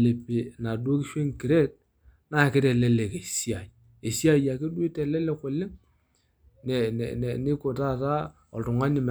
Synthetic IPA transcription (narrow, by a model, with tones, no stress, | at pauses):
le˨pːi˨na˨du˦o˦ki˦ʃwe˦ŋki˨ɾe˦t̚ | na˦˨kɪ˦te˨le˦le˨ke˨si˦a˨ | e˨si˦a˦˨ja˨ke˦du˦i˦tɛ˨lɛ˦le˦kʊ˨lːɪ˦ŋ | nɛ˨n̰˨nɛ̰˨nɪ˦kʊ˨ta˦˨ta˦ | ɔ̰˨ltʊ˨ŋa˦nɪ˨m˨